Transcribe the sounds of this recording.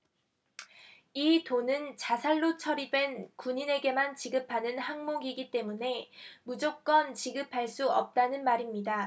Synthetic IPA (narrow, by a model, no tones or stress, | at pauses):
itonɯnt͡ɕasʰaɭːot͡ɕʰʌɾidwe̞nkuɲine̞ɡe̞mant͡ɕiɡɯpʰanɯnhaŋmoɡiɡit͈e̞mune̞mud͡ʑok̚k͈ʌnt͡ɕiɡɯpʰaɭs͈uʌp̚t͈anɯnmaɾimɲida